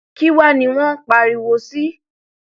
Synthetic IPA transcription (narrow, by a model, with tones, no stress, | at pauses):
ki˦wa˦˨nĩ˧w̃ɔ̃˦k͡pa˨ɾi˨wo˨si˦